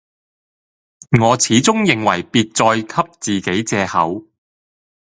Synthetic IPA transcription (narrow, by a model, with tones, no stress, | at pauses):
ŋɔː˨˧t͡sʰiː˨˥t͡sʊ˥ŋjɪ˨ŋwɐ˨˩jpiː˧t̚t͡sɔː˧jkʰɐ˥p̚t͡siː˨ke˨˥jt͡sɛː˧hɐ˨˥w